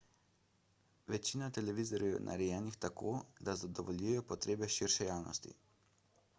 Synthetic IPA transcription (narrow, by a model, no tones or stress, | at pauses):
ʋɛt͡ʃinat̪ɛlɛʋizɔɾjiɔnʔa̰ɾɛjɛːnixt̪akoːd̪azad̪ɔʋɔlʲjujɛjɔpɔt̪ɾeːbɛʃiɾʃɛjaːwnʔɔ̰st̪ḭ